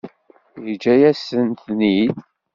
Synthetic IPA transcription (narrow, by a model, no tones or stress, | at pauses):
jd͡ʒæjæsənt̪ni